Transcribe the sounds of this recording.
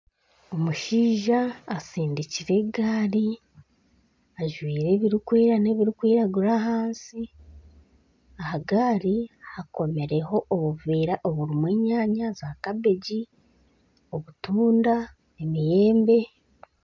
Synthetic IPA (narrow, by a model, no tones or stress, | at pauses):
o̞muʃiːʒaːsiːndiciɾe̞ɡaːɾi | aʒwiːɾe̞βiɾikwiːɾane̞βiɾikwiːɾaɡuɾaɦaːnsi | ahaɡaːɾihako̞me̞ɾe̞ho̞ʔoβuviːɾaʔoβuɾimweːɲaːɲazakaβeɟi | o̞βutuːnda | e̞mije̞ːmbe̞